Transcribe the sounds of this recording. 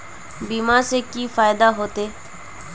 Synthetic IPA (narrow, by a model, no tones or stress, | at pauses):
biːmaːsekiːfaːɪd̪aːɦoːt̪eː